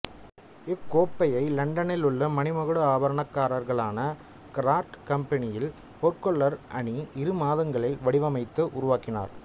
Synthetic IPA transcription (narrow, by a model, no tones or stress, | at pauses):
ɪkːoːpːɐjɐɪlɐɳɖɐnɪlɯɭːɐmɐnɪmɐɣɯɽɯaːbɐɾɐɳɐkːaːɾɐɾɣɐɭaːnɐ | kɪɾaːʈkɐmpɐnɪjɪl | pɔrkɔɭːɐɾʔɐɳiʔɪɾɯmaːðɐŋɡɐɭɪlʋɐɽɪʋɐmɐɪt̪ːɯʔʊɾʊʋaːkːɪna̰ːɾ